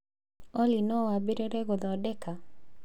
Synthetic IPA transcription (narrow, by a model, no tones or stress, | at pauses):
ɔlinɔwabiɾeɾeɡʊd̪ɔdɛka